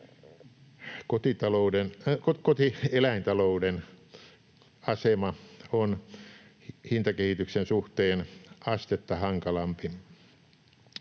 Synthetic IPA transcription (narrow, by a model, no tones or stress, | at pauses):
kot̪it̪ɑloudenkokot̪ielæint̪ɑlouden | ɑsemɑon | hint̪ɑkehit̪yksensuht̪eːnɑst̪et̪ːɑhɑŋkɑlɑmpi